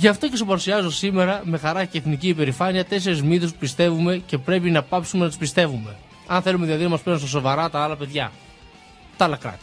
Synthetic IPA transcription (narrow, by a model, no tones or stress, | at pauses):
ʝɐft̪o̞ce̞sopɐɾusiɐzo̞sime̞ɾɐme̞xɐɾɐceːθniciːpe̞ɾifɐniɐt̪e̞s̬e̞ɾizmiθespupist̪e̞vume̞ce̞pɾe̞pinɐpɐpsumenɐt̪u̥spist̪e̞vume̞ | ɐnθe̞lumeðilɐðinɐmɐspeɾunst̪ɐso̞vɐɾɐt̪ɐɐlɐpe̞ðʝɐ | t̪ɐɐlɐkɾɐ̰t̪i̥